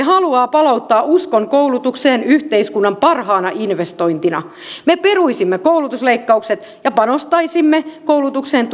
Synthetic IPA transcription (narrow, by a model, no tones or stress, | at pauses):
eɦɑluɑːpɑlout̪ːɑːʔuskoŋkoulut̪ukseːnyht̪eiskunːɑmpɑrhɑːnɑʔinʋest̪oint̪inɑ̰ | meperuisimːekoulut̪usleikːɑukset̪ | jɑpɑnost̪ɑisimːekowlut̪ukseːnt̪